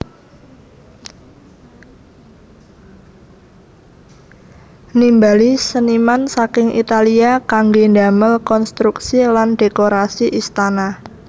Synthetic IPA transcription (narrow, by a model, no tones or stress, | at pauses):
nimbalisənimansakɪŋḭt̪aliakaŋɡenda̤məlkɔnst̪ɾuksilanɖekoɾasiʔist̪anah